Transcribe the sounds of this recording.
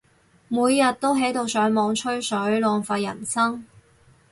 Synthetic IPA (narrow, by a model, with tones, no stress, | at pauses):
muː˨˧jːɐ˨t̚t̪o˥wɦe˨˥jt̪o˨˧wsœː˨˥ŋmɔː˨˧ŋt͡ʃʰɵ˥ɥsɵ˨˥ɥlɔː˨ŋfaː˧jɐ˨˩nsɐ˥ŋ